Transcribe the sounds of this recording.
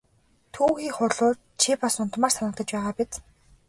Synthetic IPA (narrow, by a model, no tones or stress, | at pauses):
t̪ʰuːxiːχʊrɮʊːr | t͡ɕʰipasʊn̥t̪maːrsanə̆k̚t̪ə̆t͡ɕpæːʁaːpit̪